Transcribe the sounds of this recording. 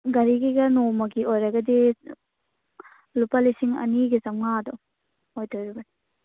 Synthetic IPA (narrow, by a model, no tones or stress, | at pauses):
ɡɐɾiɡiɡɐnomɐɡiojɾɐɡɐdi | lupalisiŋɐ̰niɡizɐmŋadɔ | ojtʰojɾibɐni